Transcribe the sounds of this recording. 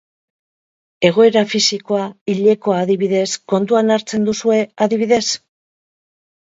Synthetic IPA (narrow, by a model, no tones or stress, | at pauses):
e̞ɣ̞o̞e̞ɾafisiko̞aiʎe̞ko̞aːðiβiðe̞sko̞nt̪uanaɾt͡se̞nd̪usue̞aðiβ̞iðe̞s